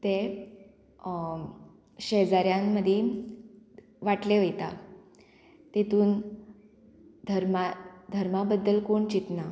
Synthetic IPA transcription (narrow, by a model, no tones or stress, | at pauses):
t̪e | ɕed͡zaɾjãmːəd̪ʱje | ʋaʈleʋəjt̪a | t̪et̪uːn | d̪ʱəɾmad̪ʱəɾmabəd̪ːəlkoɳt͡ɕit̪na